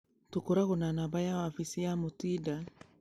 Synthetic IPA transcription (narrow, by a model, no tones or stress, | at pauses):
tokoɾaɣonanabajawafisijamotida